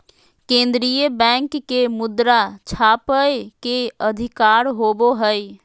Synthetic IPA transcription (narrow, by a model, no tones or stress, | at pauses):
kẽːnd̪ɾijəbɛ̃ːŋkːemʊd̪ɾat͡ʃʰaːpəekeəd̪ʱɪkaːɾɦoboɦəj